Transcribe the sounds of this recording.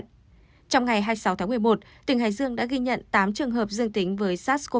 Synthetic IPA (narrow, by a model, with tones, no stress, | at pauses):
t͡ɕɔ˧wŋ͡mŋa˨˩jɦaː˧jsa˨˦wt̪ʰaː˨˦ŋmɨ˨˩əjmo˨˩t̚ | t̪ï˨˩ŋ̟ɦa̰ː˨˩jzɨ˧əŋɗa̰ː˧˥ɣi˧ɲə̰˧˨nt̪aː˨˦mt͡ɕɨ˨˩əŋɦəː˨˩p̚zɨ˧əŋt̪ï˨˦ŋ̟vəː˨˦jsaː˦˥t̚sko˧